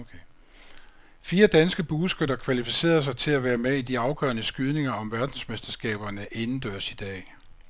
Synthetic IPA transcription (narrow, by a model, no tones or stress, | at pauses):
fiːɐd̥ænsɡ̥əb̥uːsɡ̥ødɐkʰʋælifise̝̰ːɐs̬ɑ̈ɪt͡sʰe̝læʋæːɐmeid̥iɑ̈ʊɡ̥ɶ̰ɐnəsɡ̥yðˠne̝ŋɐɒ̽mʋæɐd̥n̩smesd̥ɐsɡ̥ɛ̰ːb̥ɐnəʔe̝nn̩d̥øɐ̰sid̥ɛ̰ː